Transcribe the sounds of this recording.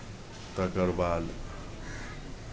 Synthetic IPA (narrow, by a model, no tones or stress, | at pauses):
t̪ɐkəɾbaːl